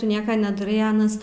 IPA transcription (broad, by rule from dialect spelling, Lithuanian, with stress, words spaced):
ˈtʊ ˈnʲiɛkɐ nʲɛdɐˈrɐɪ ˈɑːnɐs